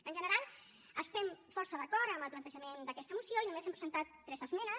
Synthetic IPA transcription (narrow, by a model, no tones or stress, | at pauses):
ənʲʒənəɾalˠ | əst̪ɛmfɔɾsəðəkɔɾəmbəlˠplənt̪əʒəmend̪əkɛst̪əmusioinumezɛmpɾəzənt̪at̪ːɾɛzəzmɛnə